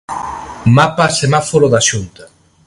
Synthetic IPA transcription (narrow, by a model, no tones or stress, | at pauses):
mapasemafoɾoðaʃunt̪a